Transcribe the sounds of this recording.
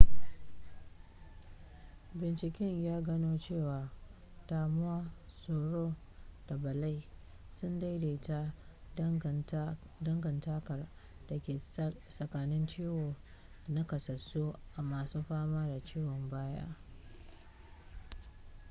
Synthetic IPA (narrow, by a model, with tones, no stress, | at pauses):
bɪ˨nt͡ʃɪ˨kʲɛ˦ɲjaː˦ɡɐ˦noː˦t͡ʃeː˦˨waː˨ | d̥aː˨mʊ˦wa˦soː˨ɽoː˦ | d̥a˨bɐ˨la˦j | sʊ˦nda˦jda˨˦ta˦ | dɐ˦ŋɡɐ˨ntaː˦kɐ˨r | d̥a˨kʲeː˨sɐ˨kaː˨nɪ˦nt͡ʃiː˦woː˨ | na˦kɐ˨sɐ˨su˦ʔa˨maː˨suː˦ɸaː˦maː˦da˨t͡ʃiː˦wɔ˨mbaː˦ja̰ː˦ʔ